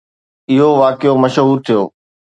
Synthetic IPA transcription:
ɪɦoʋaːkɪjomɐʃɦuːɾt̪ʰijo̰ː

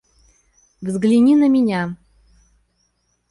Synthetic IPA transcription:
vzɡlʲinʲinəmʲinʲa

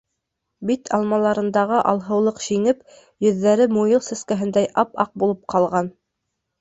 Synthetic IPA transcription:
bit̪ʰɑ̰lˠmɑlˠɑɾɤ̆nd̪ɑʁɤʔɑlˠɦɤ̆wlˠɤqʃiŋɘp | jɵ̆ðːæɾɘmujɤlˠsæ̆skæɦɘ̆nd̪æjʔɑpɑq̚bulˠɤp̚qʰɑlˠʁɑn

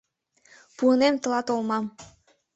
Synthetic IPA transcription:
puənemt̪ə̆lɑt̪olmɑm

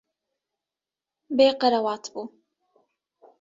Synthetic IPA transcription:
beːqəɾawaːt̪ʰbu

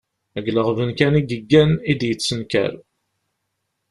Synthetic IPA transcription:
əɡləʁvənkæniɡəɡːænid̪jət͡sːənkæ̰ɾ

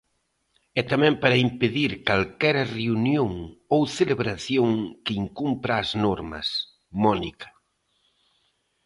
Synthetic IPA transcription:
ɛt̪amɛ̃mpaɾɐimpeðiɾkalkɛɾɐreunjoŋowθeleβɾaθjoŋkɪiŋkumpɾaːznɔɾmɐ̰s | mɔnikɐ̥

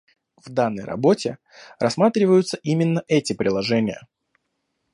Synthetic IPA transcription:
vd̪anːə̰jrɐ̰bo̞tʲɪ | rɐsmat̪ɾʲɪvəjʊt̪səʔimʲɪnːəʔɛtʲɪpɾʲɪlˠɐʐɛnʲɪjə̰

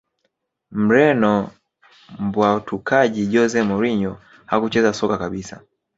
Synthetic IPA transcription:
m̩ɾɛnɔ | mbwaɔtʰukʰaʄiʄɔzɛmɔɾiɲɔ | hakut͡ʃɛzasɔkakaɓisa̰

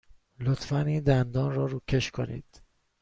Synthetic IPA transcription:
lot̪fæniːnd̪ænd̪ɒːnrɒːɾuːcʰeʃkʰonḭːd̪̥

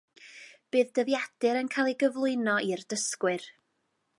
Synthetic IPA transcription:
b̥ɨːðdəðjad̥ɨɾənkʰaːlˠiɡəvlˠʊɨnɔʔirdəskwɨr

